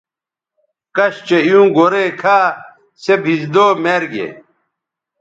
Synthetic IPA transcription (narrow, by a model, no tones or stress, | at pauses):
kɐɕt͡ɕejũːɡoɾekʰaː | sebʱisd̪oːmeːɾɡḛ